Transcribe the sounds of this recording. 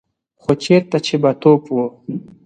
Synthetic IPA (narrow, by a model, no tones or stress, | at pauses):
χot͡ɕeːɾt̪at͡ɕʰebat̪oːpwo